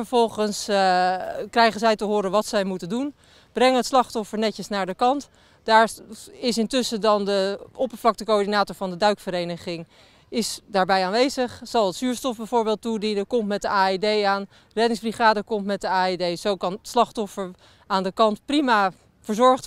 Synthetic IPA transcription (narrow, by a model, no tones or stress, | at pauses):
əɹvɔlˠχəns | krɛjχənzɛjtəɦoːɾənʋɑtsɛjmutəndun | b̥rɛŋəɦətslɑχtɔfəɹnɛtəsnaːɹdəkɑnt | d̥aːɹɪsɪntʏsədɑndəʔɔpəɹvlɑk̚təkoɔɹdinaːtɔɹvɑndədœɥkfəɾejnəχɪŋ | ɪsdaːɹbɛjaːnʋejzəχz̥ɑlˠətsyːɹstɔfbɛjvʊːɹbeːlˠtudinəkɔmtmɛt̚dəaːedejaːn | rɛdɪŋzbriχaːdəkɔmtmɛt̚dəaːedejz̥owkɑnətslɑχtɔfəɹ | aːndəkɑntprima | fəɹzɔɹχt